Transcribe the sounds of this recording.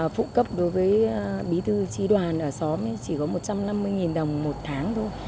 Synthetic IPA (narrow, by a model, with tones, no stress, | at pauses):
fṵ˧˨kə˦˥p̚ɗo˨˦jvəː˨˦jɓi˨˦t̪ʰɨ˧t͡ɕi˧ɗwaː˨˩nʔəː˧˩sɔ˨˦m˨˦t͡ɕi˧˩kɔ˨˦mo˨˩t̚t͡ɕa˧mna˧mːɨ˧əjŋi˨˩nɗə˨˩wŋ͡mmo˨˩t̚t̪ʰaː˨˦ŋt̪ʰo˧j